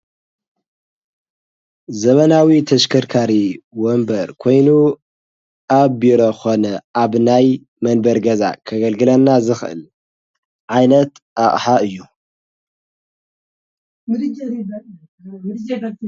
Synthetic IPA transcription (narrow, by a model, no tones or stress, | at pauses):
zɐmɐnawit̪ʰɐʃkʰɐɾkʰaɾiwombɐɾkʰo̞jnu | aβbiɾoxo̞nɐʔaβnaj | mɐnbɐɾɡɐza̰kʰɐɡɐlɡɨlɐnːazɨxʔɨ̰l | ʕajnɐt̪ | ʔaʔʼħaɨjːu